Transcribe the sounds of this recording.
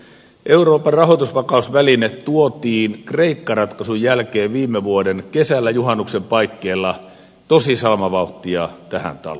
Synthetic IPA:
ʔe̞uro̞ːpɑrrɑɦot̪usʋɑkɑusʋælinet̪t̪uot̪iːnkre̞ikːɑrɑt̪kɑsujjælkeːʋʋiːmːeʋuodenkesælːæjuɦɑnːuksempɑikːeːlːɑ | t̪osisɑlmɑʋɑut̪ːˑiɑt̪æhæ̰nt̪ɑ̰lo

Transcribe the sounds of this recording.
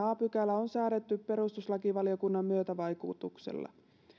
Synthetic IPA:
ɑːpykælːæonsæːɾet̪ːyppe̞ɾust̪uslɑkiʋɑliokunːɑmːyøt̪æʋɑjkut̪uksḛlːɑ̰

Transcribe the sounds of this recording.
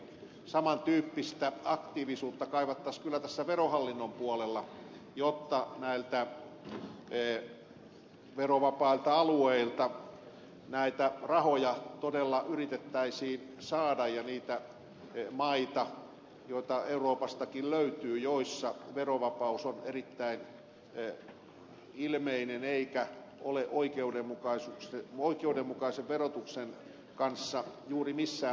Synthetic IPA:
sɑmɑnt̪yːpːist̪æɑkt̪iːʋisuːt̪ːɑkɑiʋɑt̪ːɑskylːæt̪æsːæʋerohɑlːinːompuolelːɑ | jot̪ːɑnæilt̪æ | ʋeroʋɑpɑilt̪ɑɑlueilt̪ɑ | næit̪ærɑhojɑt̪odelːɑʔyrit̪et̪ːæisiː | sɑːdɑjjɑniːt̪æ | mɑit̪ɑ | joit̪ɑeuroːpɑst̪ɑkilløyt̪yːjoisːɑʋeroʋɑpɑusonerit̪ːæin | ilmeineneikæ | ʔoleʔoikeudemːukɑisukseoikeudemːukɑiseʋʋerot̪uksen | kɑnsːɑjuːrimisːæː

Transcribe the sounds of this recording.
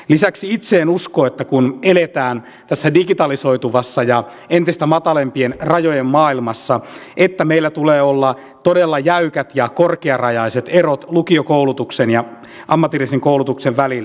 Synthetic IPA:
lisæksiit̪seːnuskoːet̪ːækunelet̪æːn | t̪æsːædiɡit̪ɑliso̞it̪uʋɑsːɑjɑ | ent̪ist̪æmɑt̪ɑlempienrɑjojemmɑːilmɑsːɑʔet̪ːæmeilːæt̪uleːolːɑ | t̪odelːɑjæykæt̪jɑkorkeɑrɑjɑiset̪erot̪lukiokoulut̪uksenjɑ | ʔɑmːɑt̪ːirisiŋkoulut̪ukseʋʋælilː

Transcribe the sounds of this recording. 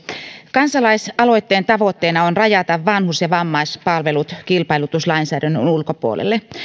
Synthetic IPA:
kɑnsɑlɑisɑlo̞it̪ːeːnt̪ɑʋot̪ːeːnɑonrɑjɑt̪ɑʋːɑnhusjɑʋɑmːɑispɑlʋelut̪kilpɑilut̪uslɑinsæːdænːønulkopuo̰lḛlːe

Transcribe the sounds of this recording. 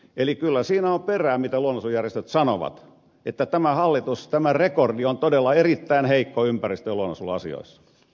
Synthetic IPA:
elikylːæsiːnæomperæːmit̪æluonɑsujærjest̪øt̪sɑnoʋɑ̰t̪ | et̪ːæt̪æmæhɑlːit̪ust̪æmærekordiont̪odelːɑerit̪ːæinheikːoympærist̪øluonɑsulɑ̰sḭo̰isːɑ̥

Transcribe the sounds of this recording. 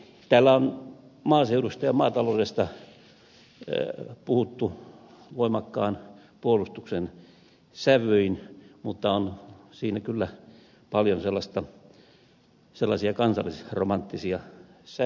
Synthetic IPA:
t̪æːlːæon | mɑːseuɾust̪ɑjɑmɑːt̪ɑloːdest̪ɑ | puhut̪ːu | ʋoimɑkːɑːn | puolust̪uksen | sæʋøinmut̪ːɑonsiːnækylːæ | pɑljonselːɑst̪ɑ | selːɑsiɑkɑnsɑ̰lːisromɑnt̪ːisiɑsæ

